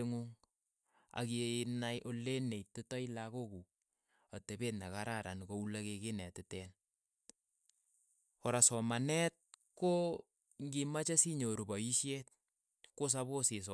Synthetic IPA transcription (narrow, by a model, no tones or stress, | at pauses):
eŋuŋ | a̰kinajʔolenetːɪtɔilakoku | atebetnakaɾaɾʔa̰nkoulakekenɛtɪtɛn | ɔɾasɔmanɛt̚ko | ŋɡimat͡ʃasiɲoɾubɔiʃjet̚ | kos̬aβoses̬ɔ